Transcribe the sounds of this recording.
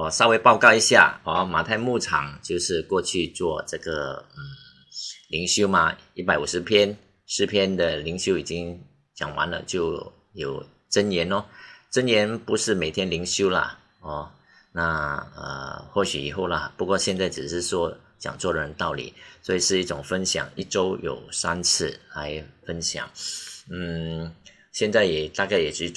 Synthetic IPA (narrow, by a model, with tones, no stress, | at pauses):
wɔ˨˩ʂɑ˥˧ʊwe˥ɪpɑ˥˧ʊkɑ˥˧ʊi˧˥ɕja̰˥˩ɔ˥˧˩ma˨˩t̪ʰa˥˧ɪmu˥˩ʈ͡ʂʰɑ̰˨˩˦ŋt͡ɕjo˥˧ʊʂɻ̩˥˧kwɔ˥˧t͡ɕʰy˥˧t͡swɔ˥˧ʈ͡ʂɤ˥˩ɡə˩n̩˥˨˩ | li˧˥ŋɕjo˥ʊmɐ˨i˥˩p̬a˧˥ɪu˨˩ʂɻ̩˧˥pʰjɛ˥n | ʂɻ̩˥˧pʰjɛ˥nd̪ə˨li˧˥ŋɕjo˥i˨˩t͡ɕi˥ŋ | t͡ɕjɑ̰˨˩ŋwa̰˧˥˦nlə̰˨t͡ɕjo˥˩ʊ | jo˨˩ʊ | ʈ͡ʂə˥njɛ˧˥nɔ˦ʈ͡ʂə˥njɛ˧˥npu˧˥ʂɻ̩˥˩me˨˩ɪt̪ʰjɛ˥nli˧˥ŋɕjo˥ʊlɐ̰˨ | ɔ˥˩ | na˥˧ə̰˧xwɔ˥˩ɕy˨˩ḭ˨˩xo˥˩ʊlə̰˩pu˧˥kwɔ˥˧ɕjɛ˥˧nt͡sa˥˩ɪʈ͡ʂɻ̩˨˩ʂɻ̩˥˧swɔ˥ | t͡ɕjɑ̰˨˩ŋt͡swɔ˥˩d̪ə˩ɻə˧˦nt̪ɑ˥˩ʊlḭ˨˩˦swɔ˧˥i˨˩ʂɻ̩˥˧i˥˩ʈ͡ʂʊ˨˩ŋfə˥nɕjɑ̰˨˩˦ŋi˥˩ʈ͡ʂo˥ʊjo̰˨˩ʊsa˥nt͡sʰɹ̩˥˩la˧˥ɪfə˥nɕjɑ̰˨˩˦ŋn̩˥˩ | ɕjɛ˥˧nt͡sa˥˩ɪjɛ˨˩t̪a˥˧ka˥˩ɪjɛ˨˩t͡ɕy˧˥